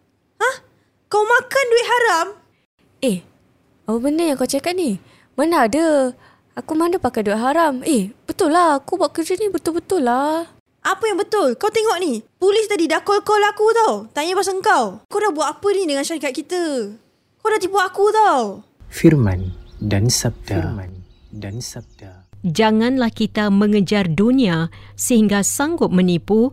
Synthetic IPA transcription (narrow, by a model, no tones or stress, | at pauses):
hah | kawmakanduɪt̪̚ɦaɾam | eh | awəbənəjaŋkawt͡ʃakat̪̚ni | manaadə | akumandəpakajduit̪ʔ̪̚ɦaɾamehbət̪ʊlːahakubuaʔ̚kərd͡ʒənibət̪ʊlbət̪ʊlːa | ʔapəjaŋbət̪ʊlkawt̪eŋɔʔnipulɪst̪adidakɔlkalaakut̪awt̪aɲəbas̬əŋkawkawdabuat̪̚apənidəŋãnʃaɾikat̪̚kit̪ə | kawdat̪ipuaʔakut̪aw | firmãndansab̚t̪aan | dans̚ad͡ʒaŋãnlahkit̪amə̃ŋəd͡ʒarduniasəhiŋɡasaŋɡʊt̪̚mənipu